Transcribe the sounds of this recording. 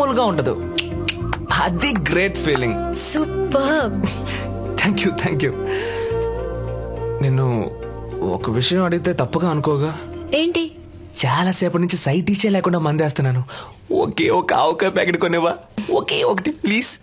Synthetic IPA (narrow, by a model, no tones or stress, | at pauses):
ulɡaːuɳʈɐd̪ṵ | ɐd̪iɡɾeːʈpʰiːliŋɡ | supːɐɾ | t̪ʰaːŋkjut̪ʰaːŋkjuː | neːnːṵ | ɔ̰kɐʋiʂɐjɐ̃mɐɽuɡit̪e̞ːt̪ɐpːɐɡaːɐnukɔːɡaːeːɳʈi | t͡ʃaːlaːsɛːpunuɲt͡ʃisɐjʈit͡ʃːeːlɛːkuɳɖaːmɐnd̪eːst̪unːaːnu | o̰keːɔkɐawkapaːkeɖkoniʋaː | okeːokɐʈipliːs